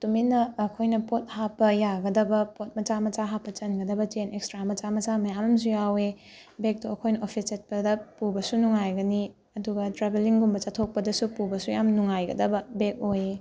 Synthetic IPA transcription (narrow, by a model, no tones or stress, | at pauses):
tuminɐːkʰojnɐpot̚hapːɐjaɡɐdɐbɐpot̚mɐt͡ʃamɐt͡ʃaɦapːɐt͡ʃɐnɡɐdɐbɐt͡ʃenekstɾamɐt͡ʃamɐt͡ʃamɐjamɐmsujawe | bek̚tuɐkʰojnɐʔopʰiset̚pɐdɐpubɐsunuŋajɡɐni | ɐduɡɐtɾabeliŋɡumbɐt͡ʃatʰok̚pɐdɐsupubɐsujamnuŋajɡɐ̰dɐbɐbek̚oje